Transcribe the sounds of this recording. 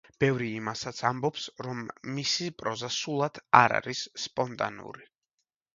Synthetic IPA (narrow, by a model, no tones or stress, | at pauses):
b̥ɛvɾiːmasat̪sʰambɔpsɾɔmːisipʼɾɔzasulˠad̪̥ʰaɾa̰ɾisːpʼɔnt̪ʼa̰nṵɾi